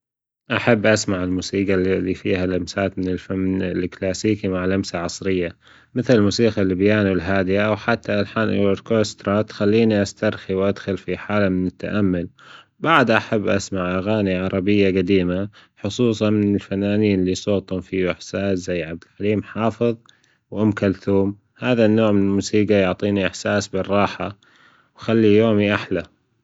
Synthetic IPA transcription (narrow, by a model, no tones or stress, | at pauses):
ʔaħabːʔasmaʕɪlmuːsiːɡalifḭːhalamsaːt̪mɪnɪlfalklaːsiːkimaʕlamsaʕɑsˤɾɪjːa | mɪθlɪlmuːsiːqalːɪbjaːnwɪlɦaːd̪ɪjawħat̪ːalħaːnʔwɾkost̪ɾˤɑt̪xalːiːniʔast̪aɾˤxiwʔad̪xʊlfiħaːlamɪnɪt̪ːa̰ʔamːʊl | baʕd̪ʔaħabːʔa̰smaʕʔaɣaːniʕɑɾˤɑbɪjːaɡad̪iːmaħʊsˤuːsˤɑmɪnɪlfanːaːniːnlːisˤoːt̪ˤhʊmfiʔɪħsaːszajːʕab̚d̪ɪlħaliːmħɑːfɨðˤ | wʔʊmkalθuːm | haːðanːoːʕmɪnɪlmuːsiːɡajʊʕt̪ˤiːniʔɪħsaːsbɪrˤːɑːħa | wxalːijoːmiʔaħla